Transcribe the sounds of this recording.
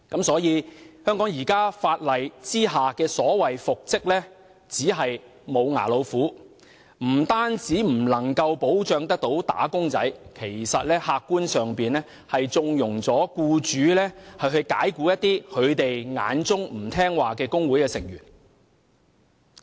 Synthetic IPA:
kɐ˨˥msɔː˨˥jiː˨˧hœː˥ŋkɔː˨˥ŋjiː˨˩kaː˥faː˧t̚lɐ˨jt͡siː˥ɦaː˨kɛː˧sɔː˨˥wɐ˨jfʊ˨k̚t͡sɪ˥k̚lɛː˥ | t͡siː˨˥ɦɐ˨j | mo˨˧wŋa̰ː˨˩lo˨˧wfuː˨˥ | m̩˨˩t̪aː˥nt͡siː˨˥m̩˨˩lɐ˨˩ŋkɐ˧wpo˨˥wt͡ʃœː˧ŋt̪ɐ˥k̚t̪o˨˥wt̪a̰ː˨˥kʊ˥ŋt͡sɐ̰˨˥jkʰe˨˩jsɐ˨t̚lɛː˥haː˧k̚ːuː˥nsœː˨ŋpiː˨nlɛː˥ | hɐ˨jt͡sʊ˧ŋjʊ˨˩ŋt͡sɔː˨˥kuː˧t͡ʃyː˨˧˦lɛː˥hɐ˨ɥɦɵ˧ɥkaː˨˥jkuː˨˧˥jɐ˥t̚t̪iː˥kʰɵ˨˧ɥt̪e˨jŋa̰ː˨˧˥nt͡sʊ˥ŋm̩˨˩t̪ʰɛː˥ŋwaː˨kɛː˧kʊ˥ŋwu˨˥jkɛː˧sɪ˨˩ŋjyː˨˩n

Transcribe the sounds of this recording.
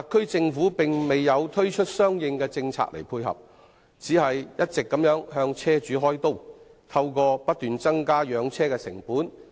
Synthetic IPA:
a˨kʰːɵ˥ɥt͡sɪ˧ŋfuː˨˥pɪ˨ŋme˨jːɐ˨˧wt̪ʰɵ˥ɥt͡ʃʰɵ˥t̚sœː˥ŋjɪ˧ŋkɛː˧t͡sɪ˧ŋt͡sʰa̰ː˧k̚lʔe˨˩jpʰuː˧jɦɐ̰˨p̚ | t͡siː˨˥hɐ˨jjɐ˥t̚t͡sɪ˨kːɐ˨˥mjœː˨˥ŋhœː˧ŋt͡sʰɛː˥t͡ʃyː˨˥ɦɔː˥jt̪o˥˩w | t̪ʰɐ˧wkɔː˧pɐ˥t̚t̪yː˨nt͡sɐ˥ŋkaː˥jœː˨˧ŋt͡sʰɛː˥kɛː˧sɪ̰˨˩ŋpuː˨˥n

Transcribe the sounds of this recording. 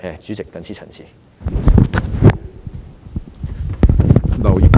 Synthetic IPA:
ɛ˨˧t͡syː˨˥t͡sɪ˨kːɐ˨˥nt͡sʰiː˥t͡sʰɐ̰˨˩nsʰiː˨˩ | lɐ˨˩wji˨˩k

